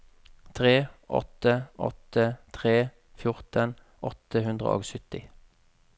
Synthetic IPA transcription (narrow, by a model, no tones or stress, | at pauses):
t̪ʰʁeːʔɔ̰t̪əʔɔ̰t̪ət̪ʰʁeː | fjʊʁt̪ən | ʔɔt̪əhʉnd̪ʁə̰o̰ːɡsʏt̪ɪ